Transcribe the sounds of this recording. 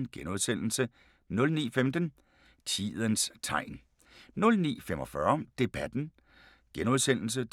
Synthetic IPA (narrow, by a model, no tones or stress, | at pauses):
nɡ̥enoðˠsen̰l̩sə | nɔ̽lnḭːfemd̥ən | t͡sʰḭːðˠənst͡sʰɑ̈ɪ̰n | nɔ̽lnḭːfem̰ʔɒ̽fɶɐd̥e̝b̥æd̥n̩ | ɡ̥enoðˠsen̰l̩s̬ə